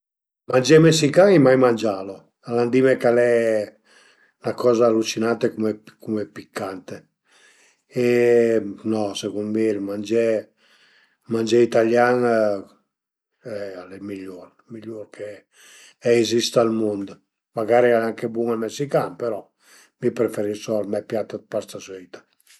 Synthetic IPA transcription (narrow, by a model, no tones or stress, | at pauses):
mand͡ʒɛmesikaŋɛmajmand͡ʒaːlo | aland̪imɛkalɛ | nakɔːzaːlːut͡ʃinant̪ekumekumepikʰːant̪e | ɛ | nɔsekumbiɾmand͡ʒɛ | mand͡ʒɛit̪aljaŋ | ɛalɛmiʎːoɾ | miʎːoɾkʰe | ɛːzist̪almond̪ | maɡaːɾialɛaŋkebwuŋalmesikanpeɾɔ | mipɾefeɾisɔlmɛpjat̪ːad̪̚paɾt̪saswɛjt̪ḁ